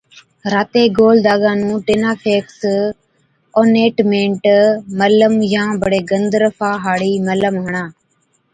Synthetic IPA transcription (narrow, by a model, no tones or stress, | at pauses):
ɾaːt̪eːɡoːld̪aːɡãːnũːʈeːnaːpʰeːks | oːneːʈmẽːɳʈmələmjãːbəɽeːɡənd̪ɾəfʰaːɦaːɽiːmələmɦəɳaː